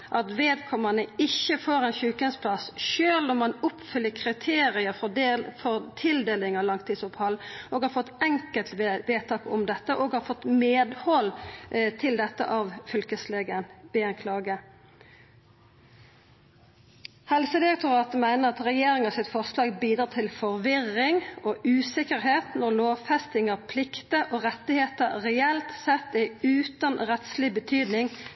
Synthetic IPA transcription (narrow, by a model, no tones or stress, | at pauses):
ʔɑt̪ʋeːd̪kʰɔmənəɪçəfoːʁɛnçʉːkənspʰlɑsʃøːlnɔmːɑnʊpfʏlːəkʰʁɪt̪ʰeːʁɪəfɔʁt̪ʰɪld̪eːlɪŋɑlɑŋt̪ʰiːd̪sʊphɑlːʔoːɡhɑːɾfɔt̪ːɛŋkəlt̪ʋeːt̪ʰɑːkɔmd̪ɛt̪ːəʔoːɡhɑːɾfɔt̪ːmeːd̪hɔlt̪ʰɪld̪ɛt̪ːə̰ʔɑʋfʏlkəsleːɡənb̥eːɑnkʰlɑːɡə | hɛlsəd̪ɪʁɛk̚t̪ʊʁɑːt̪əmæɪnəʁɑt̪ʁɛjeːʁɪŋɑsɪt̪fɔʁslɑːɡbiːd̪ɾɑːt̪ʰɪlfɔʁʋɪʁːɪŋoːʔʉːsɪkəʁheːt̪nɔʁloːʋfɛst̪ɪŋɑʁpʰlɪkt̪əʔoːʁɛt̪ːɪheːt̪əʁɛɛlt̪sɛt̪ːæʉːt̪ɑnʁɛt̪slɪbət̪ʰyːd̪nɪŋ